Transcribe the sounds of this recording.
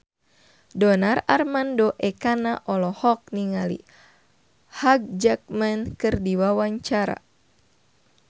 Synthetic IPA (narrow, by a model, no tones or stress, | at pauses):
dɔnararmandɔʔɛkanaʔɔlɔhɔk̚niŋalḭ | haɡ̚d͡ʒak̚mankɨrdiwawaɲt͡ʃaɾa̰